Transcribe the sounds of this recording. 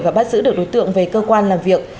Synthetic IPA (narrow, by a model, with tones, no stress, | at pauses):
vaː˨˩ɓaː˦˥t̚zɨ̰˧˥ɗɨ˨˩ək̚ɗo˨˦jt̪ɨ̰˧˨əŋve˨˩kəː˧kwaː˧nlaː˨˩mvi˨˩ək̚